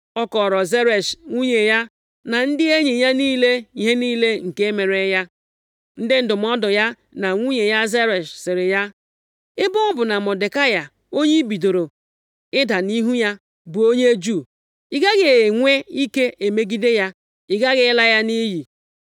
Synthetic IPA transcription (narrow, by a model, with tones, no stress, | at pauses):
ɔ˦kɔ˨ɾɔ˨ze˦ɾe˨ʃŋʷu˦ɲe˨ja˦ | na˨n̩˦dɪ˦e˦ɲe˨ja˦niː˦le˦i˨ɦe˦niː˦le˦ŋ̩˨ke˦e˦me˨ɾe˨ja˦ | n̩˦dɪ˦n̩˦˨dʊ˨m̩˦ɔ˦dʊ˨ja˦ | na˨ŋʷu˦ɲe˨ja˦ze˦ɾe˨ʃsɪ˨ɾɪ˨ja˦ | ɪ˦bʊ˦bʊ˨na˨mɔ˨de˨ka˦ja˨ | o˦ɲe˦bi˨do˨ɾo˨ | ɪ˦da˨ni˦ɦu˦ja˦ | bʊ˨o˦ɲe˦d͡ʒu˦˨ | ɪ˦ɡa˦ɡe˨ŋʷe˦i˦ke˦ʔe˨me˦ɡi˦de˦ja˦ | ɪ˨ɡa˦ɣɪ˦ɪ˦la˦ja˦ni˦ji˨